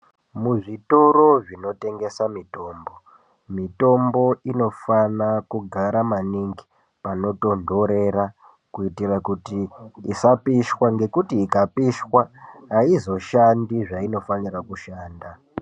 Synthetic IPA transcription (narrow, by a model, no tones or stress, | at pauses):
muʐitoɾo̞ʐino̞te̞ŋɡe̞samito̞ːmbo̞ | mito̞mbo̞ino̞fanakuɡʱaɾamaniŋɡi̥ | pano̞to̞ndo̞ɾe̞ra | kuitirakutiːsapiʃwaŋɡe̞kutiːkapiʃwaːizo̞ʃandiʐaino̞fanirakuʃaːnda